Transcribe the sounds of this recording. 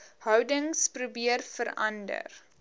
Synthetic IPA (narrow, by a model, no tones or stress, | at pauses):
hœwdəŋsprubiərfəɾɐndə̰r